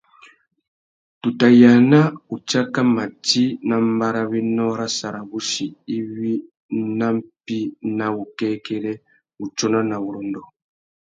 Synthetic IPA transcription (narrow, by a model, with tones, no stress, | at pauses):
tu˨ta˨ja˨na˦u˨t͡ʃa˦ka˦ma˨ti˦na˦mba˦ɾa˦βi˦nɔ˦ɾa˦sa˨ɾa˨βu˦ʃi˨i˦βi˦ | na˦m˦pi˦na˨βu˨kɛ˦kɛ˦ɾɛ˦ | u˨t͡ʃɔ˦na˦na˨βu˨ɾɔ˨ndɔ˨